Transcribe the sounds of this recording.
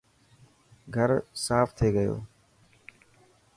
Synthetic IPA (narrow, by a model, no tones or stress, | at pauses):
ɡʱəɾsaːft̪ʰeːɡəjo̰ː